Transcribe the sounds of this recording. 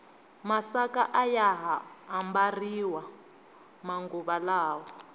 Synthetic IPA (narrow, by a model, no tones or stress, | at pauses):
masakaʔajaɦaːmbariwa | maŋɡuβalaːwa